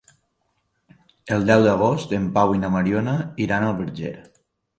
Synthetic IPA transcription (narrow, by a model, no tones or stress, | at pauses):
əlˠd̪ɛwd̪əɣ̞ost̪əmpawinaməɾjonəiɾanəlˠβəɾd͡ʒḛɾ